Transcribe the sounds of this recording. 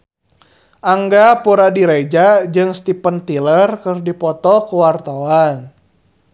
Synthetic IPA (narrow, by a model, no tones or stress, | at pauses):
ʔaŋɡapuɾadiɾed͡ʒad͡ʒɨŋst̪ipənt̪ilərkərdipɔt̪ɔkuwart̪awan